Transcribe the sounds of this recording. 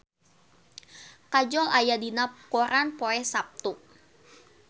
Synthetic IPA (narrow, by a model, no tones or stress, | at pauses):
kad͡ʒɔlajadinakoɾʔanpoɛsap̚t̪u